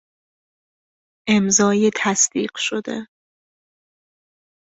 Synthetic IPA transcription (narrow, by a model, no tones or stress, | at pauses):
ʔemzɒːjet̪ʰæsd̪̥ḭːɢ̥ʃod̪ḛ